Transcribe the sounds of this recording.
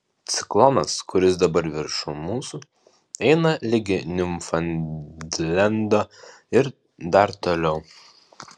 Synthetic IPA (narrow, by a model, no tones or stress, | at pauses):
t̪sʲɪ̥klˠɔnɐskʊɾʲɪsd̪ɐbɐɾʋʲɪɾʃʊmuːsu | ɛɪnɐlʲɪɡʲɪnʲʊmfɐnʲ | lʲɛnd̪oː | ɪɾ | d̪ɐɾt̪oːlʲɛʊ